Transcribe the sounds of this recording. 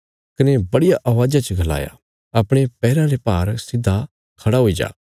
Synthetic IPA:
kɪnebɐɽijaʔɐʋaːd͡ʒat͡ʃəɡʱɐla̰ːja̰ | ɐpɽ̃epɛːɾãɾepaːɾsɪd̪ʱːa | kʰɐɽaɦoːid͡ʒa̰ː

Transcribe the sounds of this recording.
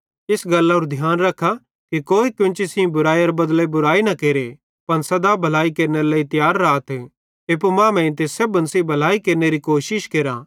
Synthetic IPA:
ɪsɡɐlːaʊɾd̪ʱjaːnɾɐkʰːa | kikoːikjʊ̃nt͡ʃisĩbʊɾaːiɐɾbɐd̪lebʊɾaːinɐkeːɾe | pɐnsɐd̪abʱɐlaːikeɾneɾlaːit̪jaːɾːaːt̪ʰ | epomãːmɛ̃ɪ̃nt̪esɐbɐnsibʱɐlaːikeːɾneɾikoːʃɪʃkeːɾa

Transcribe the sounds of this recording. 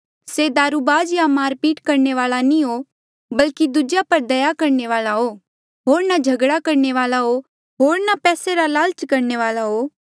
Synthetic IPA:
sed̪aːɾubaːd͡ʒjamaːɾpiːʈkɐɾneʋaːlanĩɦo | bɐlkid̪ʊd͡ʒjapɐɾd̪ɐjakɐɾneʋaːlaɦoː | ɦoːɾnad͡ʒʱɐɡɽakɐɾneʋaːlaɦo | ɦoːɾnapɛːseɾalaːlt͡ʃkɐɾneʋaːlaɦoː

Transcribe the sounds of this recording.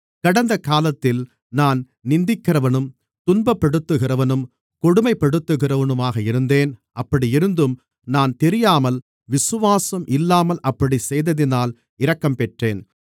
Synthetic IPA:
kɐɽɐnd̪ɐkaːlɐt̪ːɪl | naːn | nɪnd̪ɪkːɪrɐʋɐnɯm | t̪ʊnbɐpːɐɽɯt̪ːɯɣɪrɐʋɐnɯm | kɔɽʊmɐɪpːɛɽɯt̪ːɯɣɪrɐʋɐnɯmaːɣɐɪɾɯnd̪eːnʔɐpːɐɽiɪɾɯnd̪ɯm | naːnt̪ɛɾɪjaːmɐl | ʋɪsɯʋaːsɐmʔɪlːaːmɐlʔɐpːɐɽisɛjðɐðɪnaːl | ɪɾɐkːɐmpɛʈreːn

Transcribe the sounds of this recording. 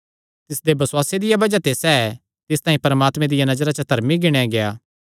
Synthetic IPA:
t̪ɪsd̪ebɐswaːsed̪ɪjabɐd͡ʒat̪esɛː | t̪ɪst̪ãːĩpɐɾəmaːt̪mẽd̪ɪjanɐzɾat͡ʃɐt̪ɐɾmiɡɪɽ̃aɡejaː

